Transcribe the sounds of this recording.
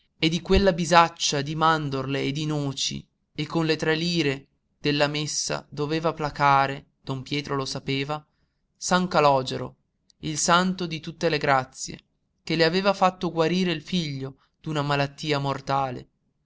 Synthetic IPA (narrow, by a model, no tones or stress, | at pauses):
ed̪ikwelːabizat͡ʃːad̪imand̪orleːd̪inoːt͡ʃḭ | ekːonlet̪ɾɛliːɾe | d̪̥elːamesːa̰d̪oveːvaplakaːɾe | d̪̥ompjɛːt̪ɾolosapeːva | saŋkalɔːd͡ʒeɾo̰ | ilsant̪od̪it̪ut̪ːeleɡɾat̪sːjḛ | k̟eleaveːvafat̪ːoɡwaɾiːɾeilfiʎːo | d̪̥unamalat̪ːiːamort̪aːlḛ